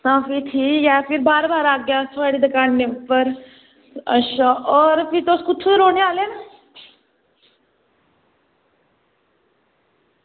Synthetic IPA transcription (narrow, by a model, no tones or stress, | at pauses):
sãːfit̪ʰiːjafiɾbaːɾbaːɾaːɡjasəɽid̪ɐkaːnːepəɾ | əʃaʔɔːɾfiɾt̪oːskʊt͡ʃʰuɾoːneaːlena